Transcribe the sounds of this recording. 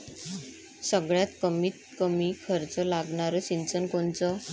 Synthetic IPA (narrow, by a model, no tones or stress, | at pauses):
səɡɭjat̪kəmit̪̚kəmikʰəɾt͡səlaɡɳaɾɔsint͡sənkoɳt͡sɔ